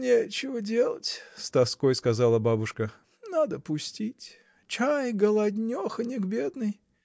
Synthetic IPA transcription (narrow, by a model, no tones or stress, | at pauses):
nʲet͡ɕɪvədʲe̞lˠətʲst̪ɐskojskɐzalˠəbabʊʂkə | nad̪əpʊsʲtʲitʲ | t͡ɕajɡəlˠɐdʲnʲoxənʲɪɡbʲe̞d̪nɨj